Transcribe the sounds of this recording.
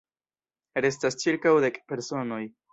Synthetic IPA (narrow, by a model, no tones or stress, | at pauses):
ɾe̞s̬tast͡ʃiɾkawd̪e̞kpe̞ɾso̞no̞j